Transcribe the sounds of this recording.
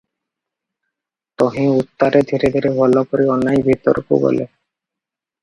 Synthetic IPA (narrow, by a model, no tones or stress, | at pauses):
t̪oɦĩut̪ːaɾed̪ʱiɾed̪ʱiɾebʱɔlokoɾiɔnajbʱit̪ɔ̰ɾkṵbɔ̰lḛ